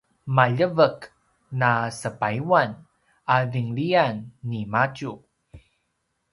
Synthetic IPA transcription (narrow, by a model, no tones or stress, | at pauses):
maʎəvəkː | asəpaiwan | aviŋlianːimat͡ʃu